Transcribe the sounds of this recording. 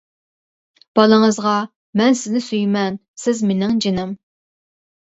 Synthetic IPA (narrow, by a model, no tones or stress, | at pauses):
b̥ɑlˠɨŋəzʁɑ | mɛnsɪznɪsyjmɛn | sɪzmenɪŋd͡ʒenɪm